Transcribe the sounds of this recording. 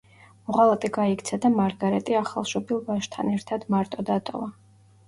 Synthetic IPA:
mɔʁalˠat̪ʼɛɡaikʰt̪sʰad̪amaɾɡaɾɛt̪ʼiaχalˠʃɔbilˠbaʃt̪ʰanɛɾt̪ʰad̪maɾt̪ʼɔd̪at̪ʼɔ̰va

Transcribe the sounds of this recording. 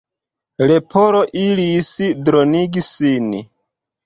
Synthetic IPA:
ɾepʰoɾoʔilisidɾoniɡisin

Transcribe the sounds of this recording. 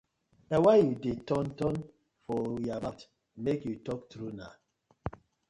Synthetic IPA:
dawajudetɔ̃ntɔ̃n | fɔjabat | mekjutɔk̚tɾuna

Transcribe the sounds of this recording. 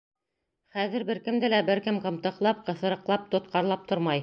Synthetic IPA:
χæðɘɾbɘ̆ɾkɘ̆md̪ɘlæbɘɾkɘmqɤ̆mt̪ɤ̆qlˠɑp̚qɤ̆θɤ̆ɾɤ̆qlˠɑp̚t̪ŏt̪̚qɑɾlˠɑp̚t̪oɾmɑj

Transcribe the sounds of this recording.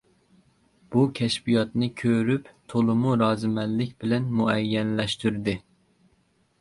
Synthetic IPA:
b̥ukʲʰɛʃbijɑt̪nɨkʲʰøɾypt̪ʰolˠɨmuɾɑːzɨmɛlːɪkʲbɪlɛnmuɛjːɛnlɛʃt̪yɾd̪ɪ

